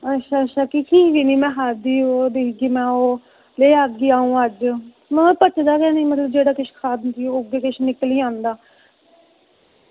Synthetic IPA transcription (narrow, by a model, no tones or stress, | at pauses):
ətːʃʰaːətːʃʰaːkikʰiːʋiːniːmɛ̃ːɦaːd̪iːod̪eːkɡiːmɛ̃ːoː | leːaɡɡiːaːũːəd͡ʒ | mɛ̃ːpət͡ʃd̪aːkɛːniːmət̪ləb̚d͡ʒeːɽaːkɪʃkʰaːd̪nt̪iːʊɡeːkɪʃnɪkliːãːnd̪aː